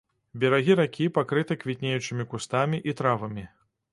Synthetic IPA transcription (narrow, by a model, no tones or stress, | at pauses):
bʲɛɾaɣʲiɾakʲipakɾɨt̪ɐkvʲit̪ʲnʲejut͡ʂɨmʲikust̪amʲiʔit̪ɾavɐmʲi